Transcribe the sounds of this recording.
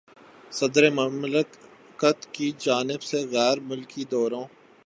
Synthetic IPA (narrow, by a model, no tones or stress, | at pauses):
sɐd̪ɾemɐmlɪk | kət̪kid͡ʒaːnɪbseɣɛːɾmʊlkid̪ɔːɾõː